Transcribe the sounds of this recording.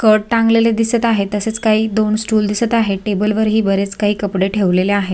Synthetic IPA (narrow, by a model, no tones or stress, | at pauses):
kəɽ̚t̪ãŋɡleled̪isət̪aɦet̪əset͡skaɦiːd̪onsʈuːld̪isət̪aɦeʈebəlʋəɾɦiːbəɾet͡skaɦiːkəpɽeʈʰeʋleleaɦe